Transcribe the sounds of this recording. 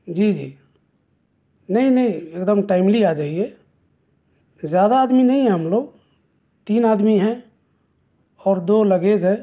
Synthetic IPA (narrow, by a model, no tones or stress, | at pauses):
d͡ʒiːd͡ʒḭː | nəɦĩnəɦĩeːkd̪əmʈaːɪmliad͡ʒaːɦie | zjaːd̪aːd̪minəɦĩɦɛ̃ɦəmloːɡ | t̪iːnaːd̪miɦɛ̃ | ɔːɾd̪oləɡed͡ʒɦɛ̃